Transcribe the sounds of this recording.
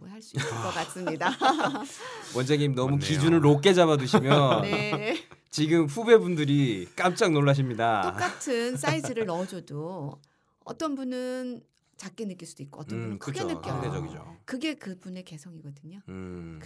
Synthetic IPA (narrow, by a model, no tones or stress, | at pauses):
haɭs͈u̥kʌk͈as͈ɯmɲida | wʌnd͡ʑeŋimnʌmukid͡ʑunɯɭɾok̬͈e̞d͡ʑaβadɯɕʰimjʌnne | t͡ɕiɡɯmɸube̞bundɯɾik͈amt͡ɕ͈aŋnoɭːaɕ̬ʰimɲidatok͈atʰɯns͈aisʰɯɾɯɭːʌd͡ʑʌdo | ʌ̰t͈ʌnbunɯn | t͡ɕak͈enɯk͈iɭsud̥uik͈oʌt͈ʌnnkkenɯk͈ːided͡ʑʌɡid͡ʑo̰kɯɡe̞kɯbune̞ke̞sʰʌŋiɡʌdɯɲo